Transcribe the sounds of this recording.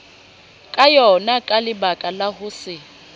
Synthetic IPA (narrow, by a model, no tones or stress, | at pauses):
kʼajɔnakʼalɪbakʼalaɦʊsɪ